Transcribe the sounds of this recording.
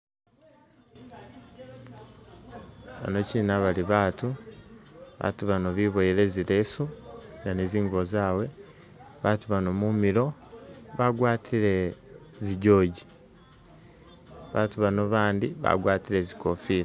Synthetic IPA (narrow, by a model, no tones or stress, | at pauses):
βa̰no̞ciːnaβaliβaːtu | βa̰ːtuβano̞βiβojiɾe̞ziɾe̞sunaneziːŋɡuβozaːwe̞ | βatuβanomumiɾo̞βaɡwaːtʰiɾe̞ | ziɟo̞ːɟi | βa̰ːtuβanoβaːndiβa̰ɡwaːtiɾe̞zikofiːɾ